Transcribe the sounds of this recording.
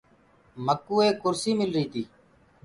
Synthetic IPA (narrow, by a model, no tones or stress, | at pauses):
məkuːeːkʊɾsiːmɪlɾiːt̪ʰiː